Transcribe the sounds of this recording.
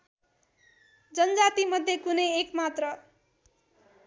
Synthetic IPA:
d͡zʌnʌd͡zat̪imʌd̪ʱjekunʌjekmat̪rʌ

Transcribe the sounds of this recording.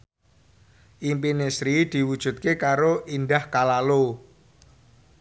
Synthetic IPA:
ʔimpinesɾid̪̥i̤wud̥ʒ̥ṳt̪̚kekaɾoʔind̪ahkalalo

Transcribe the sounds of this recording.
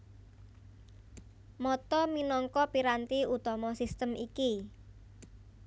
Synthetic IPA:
mɔt̪ɔminɔŋkɔpiɾant̪iut̪ɔmɔsist̪əmiki

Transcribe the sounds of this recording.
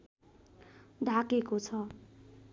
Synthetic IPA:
d̪ʱakekot͡sʰʌ

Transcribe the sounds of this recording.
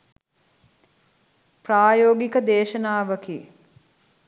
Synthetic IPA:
praːjoːɡikəd̪eːʃɐnaːʋɐkiː

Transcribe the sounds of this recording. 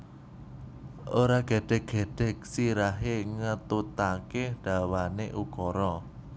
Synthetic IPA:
ʔoɾaɡ̥e̤ɖ̥ɛ̤k̚ɡ̥e̤ɖ̥ɛ̤k̚siɾaɦeŋət̪ut̪akeɖ̥a̤waneʔukɔɾɔ

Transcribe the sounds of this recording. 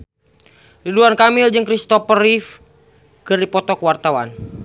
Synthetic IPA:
liduankamild͡ʒəŋkɾist̪ɔfərif | kɨrdipɔt̪ɔkwart̪awan

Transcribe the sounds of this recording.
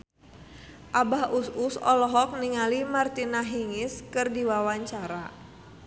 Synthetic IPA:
ʔabahʔususɔ̰lɔɦɔk̚niŋalimart̪inaɦiŋɪskɨrdiwawaɲt͡ʃaɾa

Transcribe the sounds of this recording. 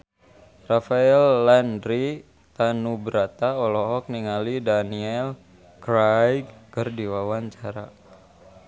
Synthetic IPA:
rafaɛlːandɾi | t̪anubɾat̪aɔlɔɦɔk̚niŋalidaniɛl | kɾajɡkɨrdiwawaɲt͡ʃaɾa

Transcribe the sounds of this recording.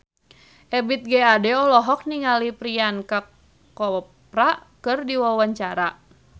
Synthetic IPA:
ʔɛbit̪̚ɡɛadɛɔlɔɦɔk̚niŋalipɾianka | kɔp̚ɾakɨrdiwawaɲt͡ʃaɾa

